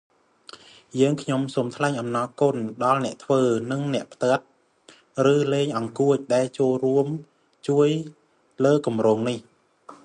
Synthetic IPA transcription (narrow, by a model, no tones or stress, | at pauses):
jəːŋkʰɲomsoːmt̪ʰlaɛɲʔɑmnɑːkʊnɗɑlnɛ̆əʔt̪ʰʋəːnɨŋnɛ̆əʔpʰt̪ə̆ət̪̚ | rɨːleːŋʔɑŋkuəc̚ɗaɛlt͡ɕoːlruəm | t͡ɕuəj | ləːkumroːŋnih